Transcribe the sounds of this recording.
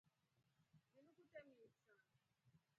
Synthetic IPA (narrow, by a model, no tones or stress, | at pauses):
ninukutʼɛmiːsa